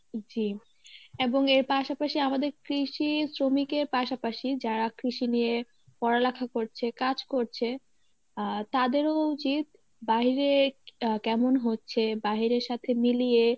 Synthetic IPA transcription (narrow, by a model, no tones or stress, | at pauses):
d͡ʑi | eboŋeɾpaʃapaʃiamad̪eɾkɾiʃisɾomikeɾpaʃapaʃid͡ʑaɾakɾiʃinije | pɔɾalakʰakoɾt͡ɕʰekad͡ʑkoɾt͡ɕʰe | t̪ad̪eɾout͡ɕit̪̚ | baɦiɾekɛmonɦotːɕʰebaɦiɾeɾʃat̪ʰemilije